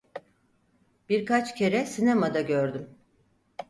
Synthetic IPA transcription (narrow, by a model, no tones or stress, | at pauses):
b̥iɾkat͡ʃcʰe̞ɾɛsinamad̪aɟøɾd̪ym